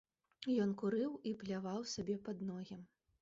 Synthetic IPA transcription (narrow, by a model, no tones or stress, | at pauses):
jɔnkuɾɨwiplʲavawsʲabʲɛpad̪nɔɣʲɛm